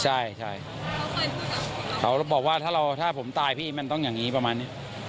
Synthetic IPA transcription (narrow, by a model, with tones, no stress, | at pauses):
t͡ɕʰa˥˩jt͡ɕʰa˥˩j | kʰa˦˥wbɔː˨˩k̚waː˥˩t̪ʰaː˥˩ɾa˧wt̪ʰaː˥˩pʰo˩˦mt̪aː˧jpʰiː˥˩ma˧nt̪ɔ˥˩ŋjaː˨˩ŋːiː˦˥pɾa˧maː˧nːi˦˥